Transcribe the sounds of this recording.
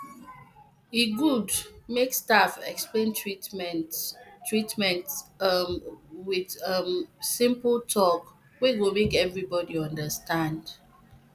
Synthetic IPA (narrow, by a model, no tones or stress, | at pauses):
iɡudmekstafɛ̰ksplẽni | tʰːɹitmɛ̃nt | wɪð̥ʌmsɪ̃mpl̩tʰɔk | wewomekɛvɹibɔdiʌ̃ndəstãnd̥